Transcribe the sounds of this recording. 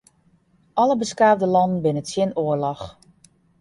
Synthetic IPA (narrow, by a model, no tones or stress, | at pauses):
ʔɑləbəskaːvdəlɑndən̩bɪnəsjɪnoərlɔx